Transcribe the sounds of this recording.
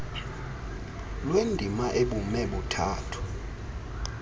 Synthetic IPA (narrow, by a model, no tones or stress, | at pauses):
lwendʱimaʔeɓumɛɓutʰaːtʰu̥